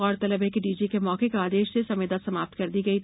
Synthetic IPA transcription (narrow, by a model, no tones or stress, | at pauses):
ɔːɾt̪ɐləbekiɖiːd͡ʒikemɔːkekaaːd̪eːʃsesɐmeːd̪asɐmaːp̚t̪kɐɾd̪iɡɐit̪